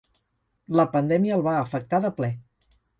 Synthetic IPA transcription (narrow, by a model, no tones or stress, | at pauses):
ləpənd̪ɛmiəːlˠβaəfək̚t̪aðəplɛ